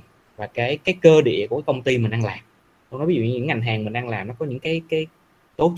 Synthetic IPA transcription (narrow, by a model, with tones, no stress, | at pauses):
vaː˨˩kaː˨˦jkaː˨˦jkəː˧ɗḭ˧˨əku˧˩kːkə˧wŋ͡mt̪i˧mï˨˩ŋ̟ʔa˧nlaː˨˩m | ɔ˧n˨˦vz̰ṵ˧˨˧ɲɨ̰˧˥ŋa˨˩jŋ̟ɦaː˨˩ŋmï˨˩ŋ̟ʔa˧ŋlaː˨˩mnɔ˨˦kɔ˨˦ɲɨ̰˧˥ŋkaː˨˦jkaː˨˦j | t̪o˨˦˥